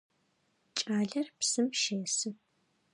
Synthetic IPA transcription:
t͡ʃʼaːɮɐrpsɨmʃeːsɨ

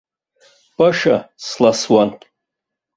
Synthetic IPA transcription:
pʼaʂa̰slaswan

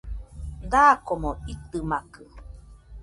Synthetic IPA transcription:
d̪aːkomoit̪ɨmakɯ

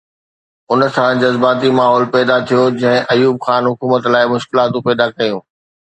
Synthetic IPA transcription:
ʊnsãd͡ʑɐzbaːt̪imaːɦɔːlpɛːd̪at̪ʰijod͡ʑɐ̃ɦɪ̃ʔɐjuːb̚xaːnɦʊkuːmət̪laːɪmʊʃkɪlaːt̪ũpɛːd̪akɐjũː

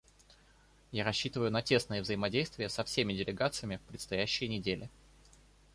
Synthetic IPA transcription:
jaɾɐɕːit̪əvəjʊnɐtʲe̞snɨjəvzəɪmɐdʲejst̪vʲɪjəsɐfsʲemʲɪdʲɪlʲɪɡat̪sɨjəmʲɪfpɾʲɪt̪st̪ɐjæɕːɪjnʲɪdʲelʲʔɪ

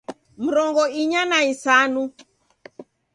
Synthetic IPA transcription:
m̩ɾɔŋɡɔiɲanaisanu

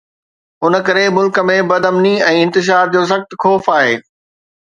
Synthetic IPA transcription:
ʊnə̆kɐɾemʊlkə̆mẽbɐd̪ʱɐmniɛ̃ːɪ̃nt̪ɪʃ̬aːɾd͡ʑoːs̬ɐxt̪xɔːfaːɦeː

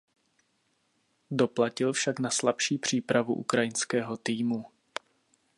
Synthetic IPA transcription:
do̞placɪlfʃaknaslapʃiːpr̝̥iːpɾavṵʔṵkɾajɪnskɛːɦo̞t̪iːmu

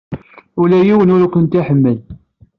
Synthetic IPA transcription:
ʊlæjiwənʊɾkʷənt̪iħəmːəl

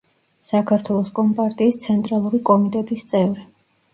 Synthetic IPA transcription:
sakʰaɾt̪ʰwɛlˠɔskʼɔmpʼaɾt̪ʼiːst̪sʰɛnt̪ʼɾalˠuɾikʼɔmit̪ʼɛt̪ʼist̪sʼɛvɾi

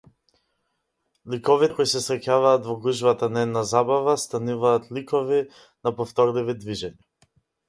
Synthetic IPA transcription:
likɔviɛkɔjsɛsɾɛcavaːt̪vɔɡuʒvat̪anaɛd̪nazabavast̪anuvaːt̪likɔvi | napɔft̪ɔɾlivid̪viʒɛɲa

